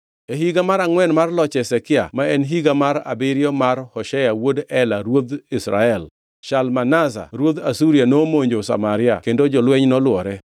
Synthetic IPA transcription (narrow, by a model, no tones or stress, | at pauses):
eɦiɡamaɾaŋwɛnmarlɔt͡ʃɛsɛkɪa̰maɛnɦiɡamaɾa̰bɪɾɪjɔmarhɔʃɛjawodɛlaɾwod̪isɾa̰ɛl | ʃalmanasa̰ɾwod̪asuɾjanomoɲd͡ʒosa̰maɾɪa̰kendod͡ʒɔlwɛɲnɔlwɔɾɛ